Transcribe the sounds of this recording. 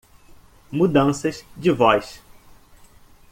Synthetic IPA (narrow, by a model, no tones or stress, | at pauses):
mud̪ɐ̃sɐzd͡ʒɪvɔjs